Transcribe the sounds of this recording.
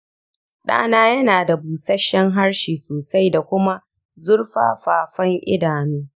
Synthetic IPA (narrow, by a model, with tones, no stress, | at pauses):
ɗa̰ː˦naː˦jɐ˦naː˨da˨buː˨sɐ˦ʃːɛ˦ŋɦa˦ɽʃiː˨soː˨sa˦jda˨kʷʊ˦ma˦ | zʊ˦ɽɸa̰ː˦ɸaː˨ɸɐ˦ŋʔɪ̰˦daː˨nuː˦